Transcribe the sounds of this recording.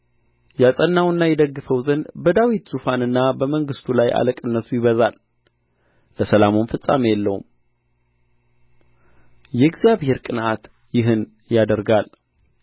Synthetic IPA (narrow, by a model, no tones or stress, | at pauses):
jasʼənːawɨnːajɛd̪əɡːɨfəwzənbəd̪awit̪z̥ufanɨnːabəməŋɡɨst̪ʰulajʔa̰ləkʼɨnːət̪ʰujɪβəzal | ləsəlamonfɨsʼa̰mejɛlːə̰hṵm | jɛɡzjaβhe̞ɾkʼɨnʔat̪ | jɪɦɨn | jad̪əɾɡal